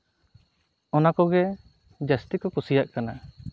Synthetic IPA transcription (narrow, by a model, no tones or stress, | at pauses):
ɔnakɔɡɛ | d͡ʒast̪ikɔkusijaʔkana